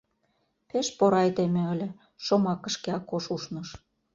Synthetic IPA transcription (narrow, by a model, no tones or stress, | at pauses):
peʃpoɾɑjd̪emĕə̆lʲĕ | ʃomɑkə̆ʃkeɑkoʃuʃnɤʃ